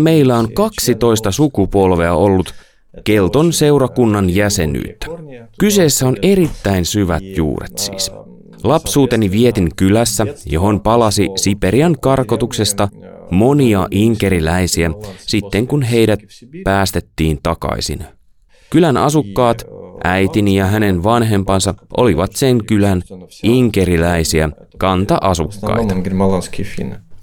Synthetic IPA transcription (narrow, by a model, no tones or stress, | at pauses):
me̞ilːæo̞nkɑksit̪o̞ist̪ɑsukupo̞lʋe̞æo̞lːut̪ | ke̞lt̪onse̞wɾɑkunːɑnjæse̞ny̰ːt̪ːæ̥kyse̞ːsːæo̞ne̞ɾit̪ːæinsyʋæ̰t̪jṵːrḛt̪sḭːs | lɑpsuːt̪e̞niʋie̞t̪iŋkylæsːæjo̞̰ɦo̞npɑlɑsisipe̞ɾiɑŋkɑrko̞t̪ukse̞st̪ɑmo̞niɑʔiŋke̞ɾilæjsiæsit̪ːe̞ŋkunɦe̞jdæt̪̚pæːst̪e̞t̪ːiːnt̪ɑkɑ̰isḭn | kylænɑsukːɑːt̪ʔæjt̪inijɑɦæne̞nʋɑnɦe̞mpɑnsɑʔo̞̰liʋɑt̪se̞ŋkylæniŋke̞ɾilæisiæ | kɑnt̪ɑʔɑsukːɑ̰jt̪ɑkimɑlɑnskifḭn